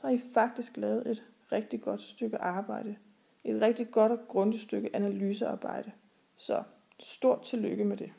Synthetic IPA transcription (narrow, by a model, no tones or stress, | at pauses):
sɒ̽hɑ̈ifɑ̈ɡ̥̚d̥isɡ̥lɛːð̩ˠe̝d̥ | ʁɛɡ̥̚d̥iɡ̥ɒ̽d̥sd̥øɡ̥əʔɑ̈ːb̥ɑ̈ɪ̰d̥ə | e̝d̥ʁɛɡ̥̚d̥i̥ɡ̥ɒ̽d̥ɒɡ̥ʁɔ̽nd̥əsd̥øɡ̥əʔænælyːsəɑ̈ːb̥ɑ̈ɪ̰d̥ə | sɒ̽ | sd̥o̝ɐ̰d̥̚t͡sʰe̝lːøɡ̥əmed̥e̝